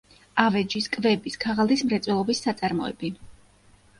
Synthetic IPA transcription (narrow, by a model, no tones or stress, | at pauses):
avɛd͡ʒiskʼvɛbiskʰaʁalˠd̪ismɾɛt̪sʼwɛlˠɔbisːat̪sʼaɾmɔɛ̰bi